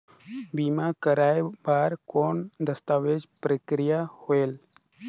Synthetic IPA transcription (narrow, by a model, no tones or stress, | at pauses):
bimakəɾaːebaːɾkoːnd̪əst̪aːʋeːd͡ʒpɾəkɾijahoeːl